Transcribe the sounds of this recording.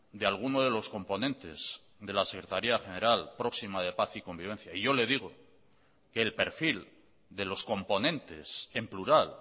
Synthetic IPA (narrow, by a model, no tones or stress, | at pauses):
d̪ealɣ̞unoðe̞lo̞sko̞mpo̞nẽ̞nt̪e̞̰z̥ | ðe̞lasekɾe̞t̪aɾiaχe̞ne̞ɾalpɾo̞ksimaðe̞paθiko̞mbiβẽ̞n̟θjaiʝo̞le̞ð̞iɣ̞o̞ | keːlpe̞ɾfil | d̪e̞lo̞sko̞mpo̞nẽ̞nt̪e̞se̞mpluɾal